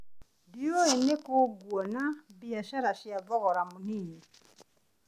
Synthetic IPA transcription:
diɔɛnɛkoɡwɔnabiaʃaɾaʃiavɔɣɔɾamuniːni

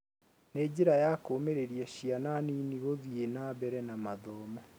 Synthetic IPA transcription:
neːɟiɾajakomeɾeɾijaʃiananiːniɣoðienaːβɛɾɛnamaðɔmɔ

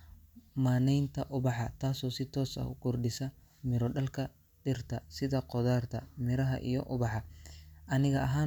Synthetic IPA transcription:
maːnɛjnt̪ʰɐʔʊβɑħɑt̪ʰaːsɔːsɪt̪ʰɔːsɐ̰ɡ̥ʊrɖɪsɐ | mɪɾɔɖɐlkʰɐ | d̥ɪrt̪ʰɐsɪðɐqɔðaːrt̪ʰɐmɪɾɐɦɐ̰ʔḭjɔʔʊβɑħɑʔɐnɪɣɐɐɦaː

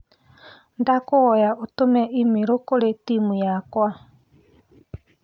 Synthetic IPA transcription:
ndakoɣɔjaotomɛʔimiɾokoɾetimujakwa

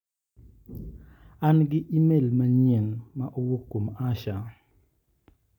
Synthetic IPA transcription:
anɡɪʔimelmaɲɛnmaʔowokːomaʃa

